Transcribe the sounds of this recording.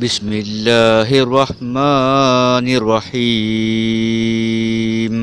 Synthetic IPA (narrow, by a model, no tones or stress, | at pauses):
bɪsmɪlːaɦɪrˤːɑħma | nɪrˤːɑħi | m